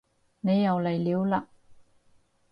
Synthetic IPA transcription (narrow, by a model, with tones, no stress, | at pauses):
ne˨˧jːɐ˨wlɐ˨˩jliː˨˥wla˧